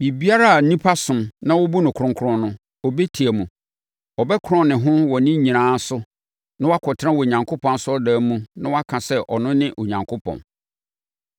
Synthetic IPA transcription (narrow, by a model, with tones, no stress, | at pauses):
i˨bi˦a˦ɾa˦a˨n̩˦nĩ˦pʰa˦sʊ̃˨mnã˦wʊ˦bu˦nʊ̃˨kʰʊ̃˨ŋkʰɾʊ̃˦nʊ̃˦ | ɔ˨be˦tʰi˨æ˨mũ˨ | ɔ˨bɛ˦kʰɾɔ̃˦nɪ̃˨ɦʊ̃˦wɔ˨nɪ̃˦ɲĩ˨nãː˦sʊ˦ | nã˦wɔ˦a˦kʰɔ˨tʰɾã˦wɔ˨ɲã˨ŋkʰʊ˦pʰɔ̃˨n˦sʊ˦ɔ˦daː˨˦mũ˦nã˦wa˦kʰã˨sɛ˦ʔɔ˨nʊ̃˦nɪ̃˦ʔo˨ɲã˨ŋkʰʊ˦pʰɔ̰̃˨n